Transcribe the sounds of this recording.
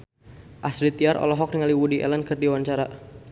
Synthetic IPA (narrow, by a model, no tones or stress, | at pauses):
ʔasɾit̪iaɾʔɔ̰lɔɦɔk̚niŋaliwudiʔɛ̰lənkɨrdiwaɲt͡ʃaɾa